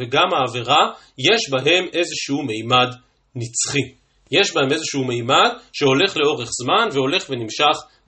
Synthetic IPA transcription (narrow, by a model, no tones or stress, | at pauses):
veɡamaːveʁa | je̞ʃbaɦe̞me̞zeʃeume̞jmad | nit͡sχi | je̞ʃbahe̞me̞zeʃuume̞jmadʃe̞o̞le̞χle̞o̞ʁe̞χz̥manveo̞le̞χve̞nimʃaχ